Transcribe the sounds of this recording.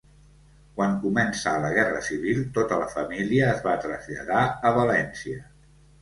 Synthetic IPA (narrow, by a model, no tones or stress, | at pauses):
kwaŋkumɛnsəːləɣ̞ɛrəsiβ̞ilˠt̪ot̪ələfəmiliəːzβat̪ɾəzʎə̰ðaəβəlɛnsiə